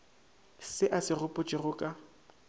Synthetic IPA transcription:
sɪʔasɪrʊpʼʊt͡ʃʼɪrʊkʼa

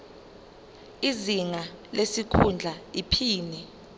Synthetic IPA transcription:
iziŋalesikʰund͡ɮʱaipʰiːni

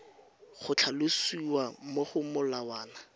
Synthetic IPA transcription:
χʊt͡ɬʰalʊsiwamoχʊmʊlawaːna

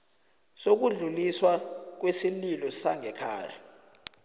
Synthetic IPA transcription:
sok̬uɮuliswak̬wesililɔsaŋɛkʰa̰ːja

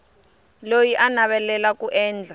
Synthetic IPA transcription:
lojiʔanaɓɛlɛlakuʔɛːnd͡ɮʱa

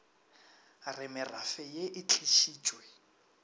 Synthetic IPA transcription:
rɪmɪrafɛjeʔɪt͡ɬʰɪʃiːt͡ʃʼwɛ

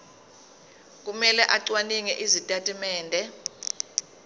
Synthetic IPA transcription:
k̬ʼumɛlɛʔaǀwaniŋɛʔizitʼatʼimɛːndʱɛ

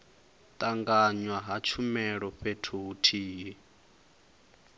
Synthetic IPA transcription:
tʼaŋɡaɲwaɦat͡ʃʰumɛɺɔɸetʰuːtʰiːɦi

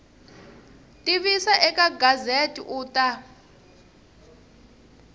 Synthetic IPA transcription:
tʼiβisaʔɛkaɡazetʼḭʔuːtʼa

